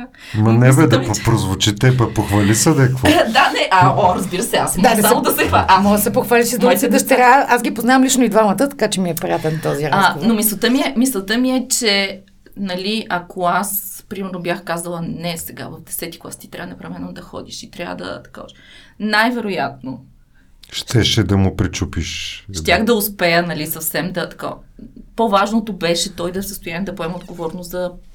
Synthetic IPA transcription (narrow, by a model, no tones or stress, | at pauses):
mɐnɛbɛd̪pɾozvot͡ʃit̪ɛpɐpoxvɐlisɛd̪ɛkvɔd̪anɛʔɐɔɾɐzbiɾəsɛasmd̪nɛsalˠod̪ɐsɛxamɔɡəsɛpoxvaliʃsid̪umsɛd̪ɐʃt̪ɛɾaʔasɡʲipoznavəmlit͡ʃnoid̪vamɐt̪ət̪ɐ̥kat͡ʃɛmiɛpɾijat̪ɛnt̪ɔziɾaɡovnomislˠət̪əmiɛmislˠət̪əmiɛt͡ʃɛ | nɐlʲiʔɐkʰoaspɾimɛɾnobjaxkazəlˠənɛsɛɡa̰vɐvd̪ɛsɛt̪i̥klˠa̰st̪it̪ɾʲavənɛpɾɐvɛnod̪ɐxɔ̰d̪iʃit̪ɾʲa̰və̰d̪ɐ̰t̪ɐ̥ka̰ɔ̰t͡ʃɛ | najvɛɾoja̰t̪no | ʃt̪ɛʃɛd̪ɐmʊpɾit͡ʃupiʃʃt̪ʲjaxd̪ɐʊspɛjənɐlisɐfsɛmd̪ɐt̪ɐ̥ko̰povaʒnot̪obɛʃɛt̪ɔjd̪ɐfsəst̪ʊjand̪ɐpoɛməod̪ɡovɔɾnoszɐ